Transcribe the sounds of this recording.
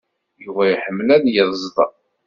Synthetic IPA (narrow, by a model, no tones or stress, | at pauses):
juvæjħəmːlænjəðˤzˤðˤɑ̰